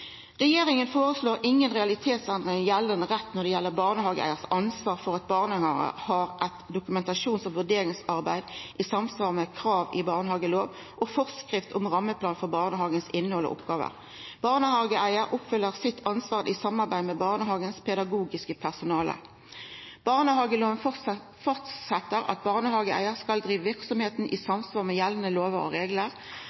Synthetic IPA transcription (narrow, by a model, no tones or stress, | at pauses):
ʁɛjeːʁɪŋənfoːʁəsloːʁʔɪŋːənʁɛɑlɪt̪ʰeːt̪sɛnd̪ʁɪŋjɛlːənəʁɛt̪ːnɔʁd̪ɛjɛlːəʁbɑʁnəhɑːɡəʔæ̰ɪəʁsɑnsʋɑːʁfɔʁɑt̪̚bɑːʁnəhɑə̰hɑʁʔɛt̪d̪ʊkʉmɛnt̪ɑʂuːnsɔʋʉʁd̪eːɾɪŋsɑʁbæɪd̪ʔɪsɑmsʋɑːʁmɛkʰʁɑːʋɪbɑːʁnəhɑːɡəloːʋ | ʔɔfɔʁskʁɪft̪ʰʊmʁɑmːəpʰlɑːnfɔʁbɑːʁnəhɑːɡənsɪnːəhɔlɔ̰ʔʊ̰pɡɑːʋə̰ʁ | b̥ɑʁnəhɑːɡəʔæɪəʁʔʊpfʏlːəʁsɪt̪ʰːɑnsʋɑːʁʔisɑmːɑʁbæɪmɛbɑʁnəhɑːɡənspʰɛd̪ɑɡuːɡɪskəpʰæʁsʊnɑːlə̰ | b̥ɑʁnəhɑːɡəloːʋənf | fɔʁt̪sɛt̪ːəʁɑ̰t̪̚bɑʁnəhɑːɡəʔæ̰ɪəʁskɑld̪ʁiːʋəʋɪʁksɔmheːt̪n̩ʔḭsɑmsʋɑːʁmɛjɛlːənəloːʋəʁɔ̰ʁeːɡləʁ